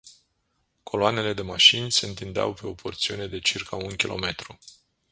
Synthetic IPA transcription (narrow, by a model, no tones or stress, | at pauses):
kʰo̞loane̞le̞d̪e̞maʃinʲse̞ɨnt̪ind̪ea̰wpe̞o̞pʰo̞rt̪siune̞d̪e̞t͡ʃirkʰaunkʲilʔo̞̰me̞t̪ɾu